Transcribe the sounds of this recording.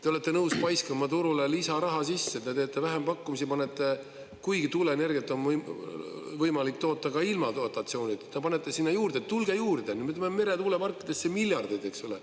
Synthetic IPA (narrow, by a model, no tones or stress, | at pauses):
t̪e̞ole̞t̪ːe̞nɤwspɑjskɑmːɑt̪uɾulelisɑɾɑɦɑsisːet̪ːet̪e̞ːt̪ːˑe̞væɦempɑkːumisipɑne̞t̪ːˑe | kujɡit̪ule̞ne̞rɡ̥jet̪ːˑo̞n | vɤjmɑlik̚t̪o̞ːt̪ːˑɑkɑilmɑt̪ot̪ːˑɑt̪sio̞ːnʲid̪̥t̪ːepɑne̞t̪ːˑe̞sinːɑjuːɾd̪̥et̪ːulɡ̥ejuːrd̪eny̥met̪ːmeme̞ɾe̞t̪uːlepɑrkːˑid̪esːemilʲjɑrd̪̥id̪e̞ksole